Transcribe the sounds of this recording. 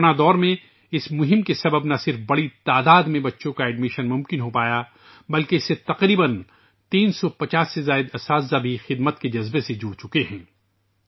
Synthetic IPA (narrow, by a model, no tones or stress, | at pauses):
nad̪ɔːɾmẽ | ɪsmʊɦɪ̃mkesɐbəbnɐsɪɾfbɐɽit̪aːd̪aːd̪mẽbɐtːʃõkaɛːɖmɪʃənmʊ̃mkɪnɦopaːja | bɐlkeɪset̪ɐqɾiːbən | t̪iːnsɔpɐt͡ʃaːsːezaːɪd̪ɐsaːszabʱixɪd̪mət̪ked͡ʒɐzbesed͡ʒuːɽt͡ʃʊkeɦɛ̃ː